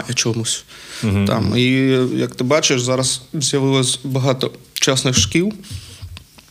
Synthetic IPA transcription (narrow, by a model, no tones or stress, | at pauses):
ɐt͡ʃɔmusʲ | t̪a̰mijɐkt̪ɨbat͡ʃɨjʂzaɾɐszʲjɐʋɨlˠɐsʲbɐɣat̪ɔt͡ʃasnɨxʂkʲiw